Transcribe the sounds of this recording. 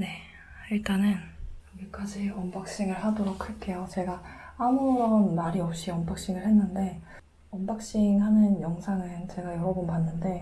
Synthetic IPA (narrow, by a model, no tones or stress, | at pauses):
ne̞ | iɭt͈anɯnjʌɡik͈ad͡ʑiʌmbak̚ɕ͈iŋɯɭhadoɾokʰɯɭkʰe̞jot͡ɕe̞ɡaːmuɾʌnmaɾiʌp̚ɕ͈iʌmbak̚ɕ͈iŋɯɭhe̞nːɯnde̞ | ʌmbak̚ɕ͈iŋɦanɯnjʌŋsʰaŋɯnt͡ɕe̞ɡajʌɾʌbɯnpanːɯnde̞